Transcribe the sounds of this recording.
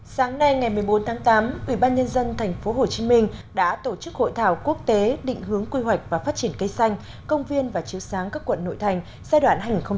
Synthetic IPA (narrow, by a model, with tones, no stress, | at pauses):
saː˨˦ŋna˧jŋa˨˩jmɨ˨˩əjɓo˨˦nt̪ʰaː˨˦ŋt̪aː˨˦mʔwi˧˩ɓaː˧nɲə˧nzə˧nt̪ʰɛ˨˩jŋ̟fo˨˦ɦo˨˩t͡ɕi˨˦mï˧ŋ̟ɗa̰ː˧˥t̪o˧˩t͡ɕɨ˦˥k̚ho̰˧˨jt̪ʰaː˧˩wku˦˥ək̚t̪e˨˦ɗḭ˧˨ŋ̟ɦɨ˨˦əŋkwi˧ɦwa˨˩jk̟̚vaː˨˩faː˦˥t̚t͡ɕi˧˩ənkə˧jsa˧jŋ̟ | kə˧wŋ͡mvi˧ənvaː˨˩t͡ɕi˨˦əwsaː˨˦ŋkaː˦˥kːwə̰˧˨nːo̰˧˨jt̪ʰa˨˩jŋ̟ | zaː˧jɗwa̰ː˧˩nhaː˧jŋi˨˩xə˧ŋ͡m